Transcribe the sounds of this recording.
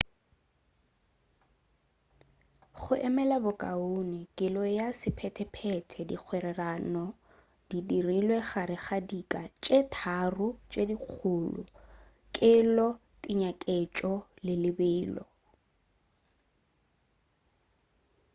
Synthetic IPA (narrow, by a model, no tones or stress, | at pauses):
χʊʔɛmɛlabʊkʼaonɪkʼɪlɔjasɪpʰɛtʰɛpʰɛtʰɛdḭk͡xʰwɛɾɛranɔ | d̥idirilwɛχaɾɪχadikʼat͡ʃʼetʰarʊt͡ʃʼediq͡χʰʊːlʊ̰ | kʼɪlɔ | tʼɪɲakʼet͡ʃʼɔlɪlɪbɪːlɔ̰